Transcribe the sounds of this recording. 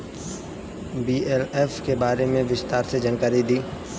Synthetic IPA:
biːeleːfkebaːɾemẽʋɪst̪aːɾsed͡ʒaːnkaːɾid̪iː

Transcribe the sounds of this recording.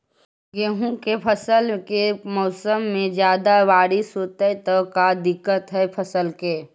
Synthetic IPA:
ɡeɦũkepʰəsəlkemɔːsəmːẽd͡ʒjaːd̪aʋaːɾɪsɦoːt̪et̪əkad̪ɪkːət̪ɦɛpʰəsəlkeː

